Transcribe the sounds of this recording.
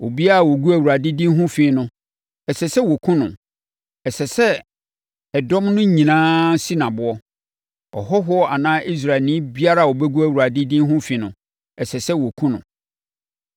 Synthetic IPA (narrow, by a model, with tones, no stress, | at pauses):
wo˨bi˦a˦˨wo˨ɡu˦æ˨wu˨ɾa˨dɪ˦dĩ˦n˦ɦʊ̃˦fi˨˦nʊ̃˦ | ɛ˨sɛ˨sɛ˦wo˨kʰũ˦nʊ̃˨ | ɛ˨sɛ˨sɛ˦ | ɛ˨dɔ̃˦mnʊ̃˦ɲĩ˨nãː˦si˦nã˨bʊ˨ɔ˦ | ɔ̰˨ɦɔ˦ɦʊ˦ɔ˦a˨nãː˦ʔi˦s̬ɾa˨lnĩ˦bi˦a˦ɾa˦˨wɔ˨bɛ˦ɡu˦æ˨wu˨ɾa˨dɪ˦dĩ˦n˦ɦʊ̃˦fi˨nʊ̃˨ | ɛ˨sɛ˨sɛ˦wo˨kʰũ˦nʊ̰̃˨